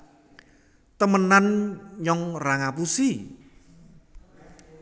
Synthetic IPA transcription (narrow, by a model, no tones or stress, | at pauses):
t̪əmənanɲɔŋraŋapusi